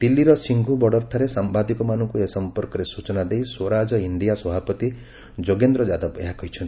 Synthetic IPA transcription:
t̪ilːiɾɔsiŋɡʱubɔɽɔɾt̪ʰaɾesambad̪ikɔmanɔŋkuesɔmpɔɾkɔɾesut͡ʃɔnad̪ejsoɾad͡ʒɔiɳɖijasɔbʱapɔt̪i | d͡ʒoɡend̪ɾɔd͡ʒad̪ɔbḛɦakɔɦit͡ʃʰɔnt̪i̥

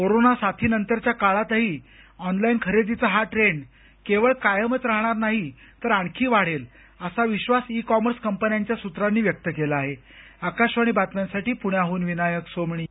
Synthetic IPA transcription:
koɾonasat̪ʰiːnənt̪əɾt͡ɕjakaɭat̪əɦiː | ɔnlainkʰəɾed̪it͡səɦaʈɾeɳ | keʋəɭkajəmət͡sɾaɦɳ̃aɾnaɦi | t̪əɾaɳ̃kʰiːʋaɽ̤el | əsaʋiɕʋasikɔməɾskəmpənjaɲt͡ɕjasut̪ɾanːiːʋjək̚t̪əkelaːɦe | akaɕʋaɽ̃iːbat̪ʋjansaʈiːpuɽ̃jaɦuːnʋinajəksomɳiː

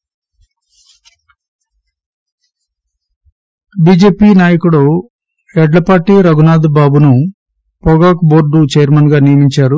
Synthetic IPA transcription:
biːd͡ʒeːpiːnaːjɐkuɽo | ɛɖlɐpaːʈːiɾɐɡunaːd̪baːbunu | pɔɡaːkboːɾɖut͡ʃejɐɾmɐnɡaːnijɐmiɲt͡ʃaːɾu

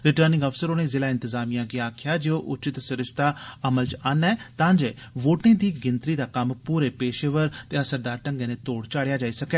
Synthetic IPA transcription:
ɾɪʈəːɾnɪ̃ŋɡəfsəɾoːneːzɪlaːɪ̃nt̪ɪzaːmijãːɡiaːkʰɪjaːd͡ʒeoːʔʊt͡ʃɪt̪sɪɾɪst̪ʰaːəməlt͡ʃaːnɛːt̪ãːnd͡ʒeː | ʋoːʈnẽːd̪iːɡɪnt̪ɾiːd̪aːkəmpuːɾeːpeːʃeːʋəɾt̪eːəsəɾd̪aːɾʈə̃ŋɡẽːnẽːt̪oːɽt͡ʃaːɽjaːd͡ʒaːiːsəkɛː

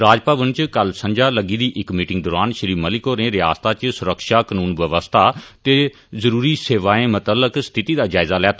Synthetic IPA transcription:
ɾaːd͡ʒpaːʋənt͡ʃkəlsə̃ɲd͡ʒaːləɡiːd̪iːʔɪkmiːʈɪ̃ŋɡ̚d̪ɔːɾaːnʃəɾiːməlɪkoːɾẽːɾɪja̰ːst̪aːt͡ʃsʊɾəkʃaːkənuːnʋəʋəst̪ʰaːt̪eː | zəɾuːɾiːseːʋaːẽːmət̪əlːəkst̪ʰɪt̪iːd̪aːd͡ʒaːɪzaːlɛːt̪ʰː

